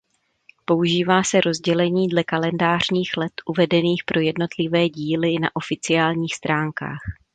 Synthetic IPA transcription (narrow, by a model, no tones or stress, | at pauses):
po̞uʒiːvaːsɛɾo̞zɟɛlɛɲiːdlɛkalɛndaːr̝ɲiːxlɛt̪ʔuvɛdɛniːxpɾʔo̞jɛdno̞t̪lɪvɛːɟiːlɪna̰ʔo̞fɪt͡sɪaːlɲiːxst̪ɾaːŋka̰ːx